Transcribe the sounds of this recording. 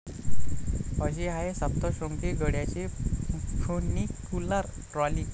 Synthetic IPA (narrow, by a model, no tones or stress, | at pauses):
pəɕiɦaesəpt̪ɔɕoŋkiɡəɽjat͡ɕe | fʰonːikːulaɾ | ʈɾɔlik